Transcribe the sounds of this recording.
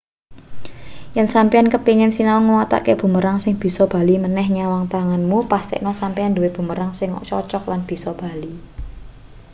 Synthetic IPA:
jɛnsampiankəpiŋɪnsinalŋuwat̪a̰ʔkeb̥ṳməɾaŋsɪŋb̥i̤sɔb̥a̤limənɛhɲawaŋt̪aŋanmupast̪ɛ̰ʔnɔsampianduweb̥ṳməɾaŋsɪŋ̰t͡ʃɔ̰t͡ʃɔklanb̥i̤sɔb̥a̤li

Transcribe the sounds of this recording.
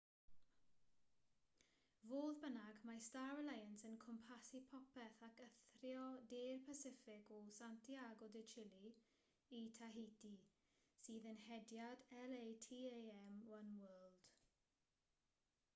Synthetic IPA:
voːðbənaɡmastaɹəlajənsənkʰɔmpʰasipʰɔpɛθakəθrjɔdeːrpʰasɪfɪɡɔsantʰiaɡɔdɪt͡ʃʰɪli | itʰaɦejti | siːðənhɛdjadɛlejtʰiːejɛmwənwəːlˠd̥

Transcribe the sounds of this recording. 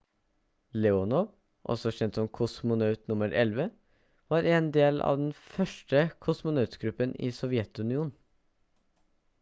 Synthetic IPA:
lɛɔnɔɾ | ʔɔ̰sɔçɛnt̪sɔmkʰʊsmʊnœʉt̪nʊməɾʔɛlʋə | ʋɑːɾeːnd̪eːlɑ̰ːʋd̪ɛnfœʂʈəkʰʊsmʊnɑʉt̪ɡɾʉpːənḭːsɔʋɪɛt̪ʉnɪuːn̩

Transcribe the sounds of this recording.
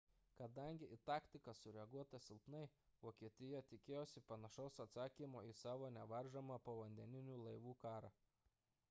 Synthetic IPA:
kɐd̪ɐŋʲɡʲɪʔit̪ɑːkʲt̪ʲɪkɐsʊɾʲɛɐɡuɔt̪ɐsʲɪlˠpnɐɪʋoːkʲiɛt̪ʲɪjɛːt̪ʲɪkʲeːjoːsʲɪpɐnɐʃɐʊsɐt̪sɑːkʲimoːisɑːʋoːnʲɛʋɐɾʒɐmɑːpɐʋɐnʲd̪ʲɛnʲɪnʲuːlˠɐɪʋuːkɑːɾɑː

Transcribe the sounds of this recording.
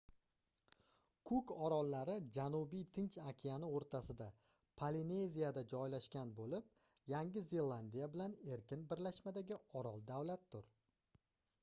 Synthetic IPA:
kʰʊkɒɾɒlˠːaɾɪd͡ʒanʊbijt̪ʰɪnt͡ʃakʲʰijanɪoɾt̪ʰasɪd̪a | pʰaline̞zijad̪ad͡ʒɒjlaʃkʲanbolɪp̚ | jaŋʲɪze̞lˠand̪ijabɪlane̞ɾkʲɪnbɪɾlaʃmad̪aɡʲɪɒɾɒlˠd̪awlat̪̚ːʊɾ

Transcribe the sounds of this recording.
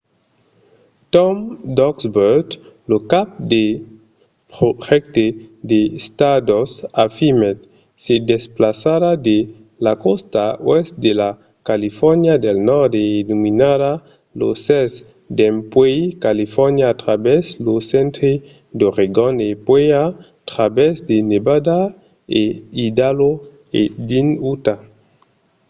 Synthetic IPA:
t̪ɔmd̪ɔksbeɾt̪lokap̚d̪e | pɾoʒɛkt̪ed̪est̪ad̪osafimet̪ | sed̪esplasaɾad̪e | lakost̪awɛst̪̚d̪ela | kalifɔɾnjad̪elnɔɾd̪einuminaɾa | lo̰sɛz | d̪empwejkalifɔɾnjaːt̪ɾabɛzlosɛ̃nt̪ɾe | d̪oʁeɡonepwea | t̪ɾabɛzd̪enebad̪a | eid̪alo | ḛd̪inut̪a

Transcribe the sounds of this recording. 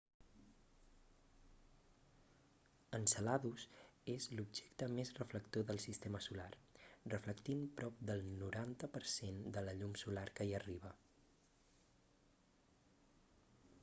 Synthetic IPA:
ənsəlaðusezlubʒɛkt̪əmezrəfləkt̪oðəlˠsist̪eməsularrəfləkt̪impɾɔp̚d̪əlˠnuɾant̪əpəɾsend̪ələʎumsulaɾkəiəriβ̞ə

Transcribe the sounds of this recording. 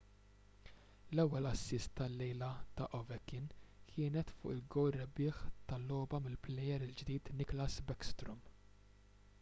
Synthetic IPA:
lɛwːɛlɐsːɪst̪ːɐlːɛjlɐt̪ɐ̰ʔɔvɛkːɪnkʰɪːnɛt̪fʊ̰ːʔɪlɡɔwrːɛbɪːħt̪ɐlːɔːbɐmɪlplɛjɛɾɪld͡ʒd̪iːt̪nɪklɐsbɛkst̪ɾɔm

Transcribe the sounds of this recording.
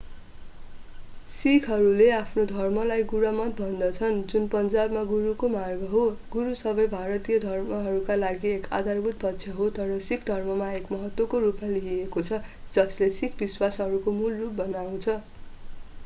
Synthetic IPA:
sikʰɦʌɾuleapʰnod̪ʱʌrmʌlajɡuɾʌmʌt̪̚bʱʌnd̪ʌt͡sʰʌnd͡zunpʌnd͡zabmaɡuɾukomarɡʌɦoɡuɾusʌbʌjbʱaɾʌt̪ijʌd̪ʱʌrmʌɦʌɾukalaɡieka̰d̪ʱarbʱut̪̚pʌtːsʰjʌɦot̪ʌɾʌsikʰd̪ʱʌrmʌmaekmʌɦʌt̪wʌkorupmaliɦiekot͡sʰʌd͡zʌslesikʰbiswasɦʌɾukomulrup̚bʌnaw̃t͡sʰʌ

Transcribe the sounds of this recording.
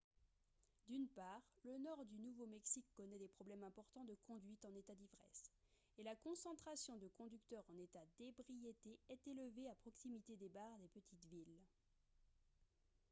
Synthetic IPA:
d̪ynpaʁlənɔʁd̪ynuvomɛksikːɔnɛd̪epχɔblɛmɛ̃pɔʁt̪ɑ̃d̪əkʰɔ̃d̪ɥit̪ɑ̃net̪ad̪ivʁɛ̰s | elakɔ̃sɑ̃t̪χasjɔ̃d̪əkɔ̃d̪yk̚t̪œʁɑ̃net̪ad̪ebʁijet̪eɛt̪eləveapχɔksimit̪ed̪ebaʁd̪epət̪ʰit̪vil

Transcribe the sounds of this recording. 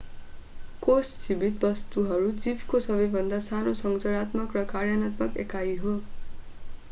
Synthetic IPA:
kosːibit̪̚bʌst̪uɦʌɾud͡zibʱkosʌbʌjbʱʌnd̪asanosʌŋd͡zʌɽat̪mʌkrʌkarjʌnat̪mʌkḛkaiɦo

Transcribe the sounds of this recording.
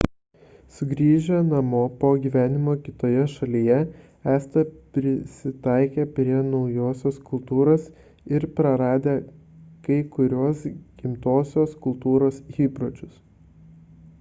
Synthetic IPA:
sʊɡɾʲiːʒʲɛnɐmoːpoːɡʲiːʋʲæːnʲɪmoːkʲɪt̪oːjɛʃɐlʲijɛ | æːst̪ɐpʲɾʲɪsʲɪt̪ɐˑɪkʲeːpʲɾʲiɛnɒʊjoːsʲoːskʊlˠt̪uːɾoːs | ɪɾpɾɐɾɑːd̪ʲeː | kɐɪkʊɾʲoɔsɡ̥ʲɪmt̪oːsʲoːskʊlˠt̪uːɾoːsɣiːpɾot͡ʃʲʊs

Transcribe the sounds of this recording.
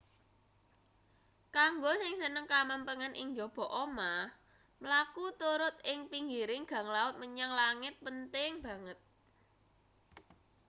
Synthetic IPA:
kaŋɡosɪŋsənəŋkaməmpəŋənʔiŋd͡ʒob̥ɔ̤ʔomah | mlakut̪uɾʊt̪̚ɪŋpiŋɡiɾɪŋɡ̥ä̤ŋlaʊt̪̚məɲaŋlaŋɪt̪̚pənt̪ɪŋb̥ä̤ŋət̪̚

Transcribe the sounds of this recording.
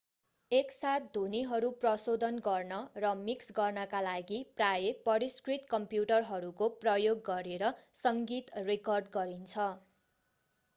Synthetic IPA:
eksat̪̚d̪ʱuniɦʌɾuprʌsod̪ʱʌnɡʌrnʌrʌmiksɡʌrnʌkalaɡiprajepʌɾiskrit̪kʌmpjuʈʌrɦʌɾukoprʌjoɡːʌɾeɾʌsʌŋɡit̪rekʌrɖɡʌɾint͡sʰʌ

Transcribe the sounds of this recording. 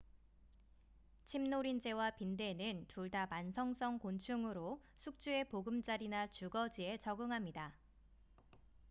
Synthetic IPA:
t͡ɕʰimnoɾind͡ʑe̞wapinde̞nɯntuɭdamansʰʌŋs͈ʰʌŋkont͡ɕʰuŋɯɾo | sʰuk̚t͡ɕ͈ue̞poɡɯmt͡ɕ͈aɾinat͡ɕuɡʌd͡ʑie̞t͡ɕʌɡɯŋɦamɲida

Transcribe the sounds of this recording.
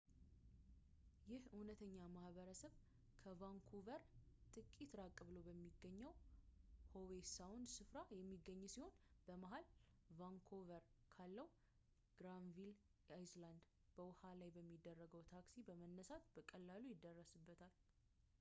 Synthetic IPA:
jɪhunət̪ʰəɲːamahbəɾəsəβ | kʰəvaŋkʰovəɾ | t̪ʼɨkʼit̪ɾakʼːɨβləwbəmːiɡːəɲːəw | howesawʊnd̪sɨfɾajɛmːiɡːəɲːsiho̞nb̥əmaɦalvaŋkʰovəɾkʰalːəw | ɡ̥ɾanvil | ajsland̪ | b̥əwʊhalajbəmːid̪ːərːəɡəwt̪ʰaksibəmənːəsat̪bəkʼəlːalujɪd̪ːərːəsɨbːət̪ʰal

